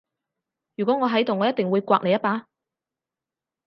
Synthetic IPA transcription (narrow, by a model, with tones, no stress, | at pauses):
jy˨kʷɔ˨˥ŋɔː˨˧ɦɐ˨˥jt̪o˨wŋɔː˨˧jɐ˥t̚t̪ɪ˨ŋwuː˨˧jkʷa̰ː˧k̚ne˨jɐ˥t̚paː˧